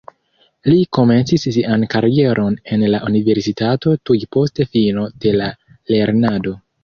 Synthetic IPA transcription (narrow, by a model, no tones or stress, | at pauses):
liko̞me̞nt͡sissiʔankaɾie̞ɾʔo̞ne̞nlaʔunive̞ɾsitato̞tujpo̞ste̞fino̞d̥e̞la | le̞ɾnado̞